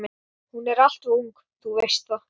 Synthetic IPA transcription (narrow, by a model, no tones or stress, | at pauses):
mɪ | hunɛɾal̥t̪uwŋk | θuvejst̪va